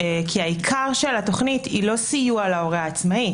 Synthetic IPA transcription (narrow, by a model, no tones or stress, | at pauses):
kʰiaikʰaʁʃelato̞χnitilo̞sijualao̞ʁeaːt͡smai